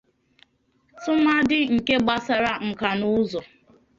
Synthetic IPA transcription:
tʊ˦ma˦dɪ˦ŋ̩˨ke˦ɡ͡ba˦sa˦ɾa˦ŋ͡m̩˨ka˨nʊ˦zɔ˨

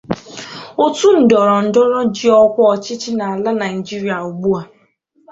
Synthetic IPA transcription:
o˦tu˦n̩˨dɔ˨ɾɔ˨n̩˨dɔ˦ɾɔ˦d͡ʒi˦ɔ˦kʷɔ˦ɔ˨t͡ʃɪ˦t͡ʃɪ˦na˨a˨la˦na˨i˨d͡ʒi˦ɾi˨a˨u˨ɡ͡bu˦a˨

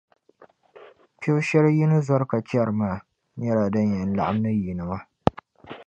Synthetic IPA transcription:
pe˦wʃɛ˦ɾji˦nɨ˦zɔ˦ɾka˨t͡ʃa˦˨ɾɨ˨maː˦˨ | ɲɛ˦ɾa˨dɨ˦ɲjɛ˨n̩˦la̰˨ʔa˦m˦nɨ˦ji˨nɨ˨ma˦

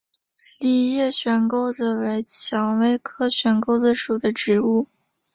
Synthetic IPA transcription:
li˥˩jɛ˥˩ɕɥɛ˧˥nko˥ʊd͡zə˧we˧˥ɪt͡ɕʰjɑ˧˥ŋwe˥ɪkʰɤ˥ɕɥɛ˧˥nko˥ʊd͡z̩˧ʂu˨˩d̪ə˦ʈ͡ʂɻ̩˧˥u˥˩

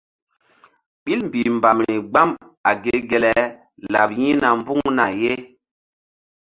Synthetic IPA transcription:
ɓi˦lm˨bi˨mba˨mɾi˨ɡ͡ba˦m | a˨ɡe˨˦ɡe˨lɛ˨ | la˨p̚jĩ˦na˨m˦bu˦ŋŋna˨je˦

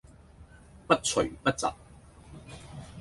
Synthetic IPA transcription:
pɐ˥t̚t͡sʰɵ˨˩pɐ˥t̚t͡sɐ̰˨p̚

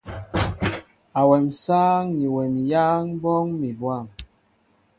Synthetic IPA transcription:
a˨wɛ˨msaː˦ŋɲi˨wɛ˨mja˦ŋbɔ˦ŋmi˨bwa˦˨ŋ

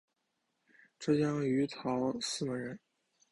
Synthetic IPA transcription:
ʈ͡ʂɤ˥˩t͡ɕjɑ˥ŋy˧˥t̪ʰɑ˧˥ʊsɹ̩˥˩mə˧˥ɻə˧˥n

